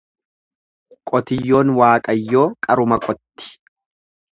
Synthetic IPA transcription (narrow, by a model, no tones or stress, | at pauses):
kʼɔt̪ɪjːo̞ːnwaːkʼɐjːo̞ːkʼɐɾʊmɐkʼɔt̪ːɪ̥